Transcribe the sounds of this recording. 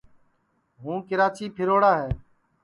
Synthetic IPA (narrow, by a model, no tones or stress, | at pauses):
ɦũːkɪɾaːt͡ʃiːpʰɪɾoːɽaːɦeː